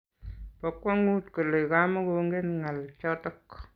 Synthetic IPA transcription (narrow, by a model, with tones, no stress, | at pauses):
pɔ˨kwɔ˦ŋu˦tko˨lo˨jka˦mɔ˦ko˨˦ŋɡe˦nŋa˨lt͡ʃɔ˦tɔ˦k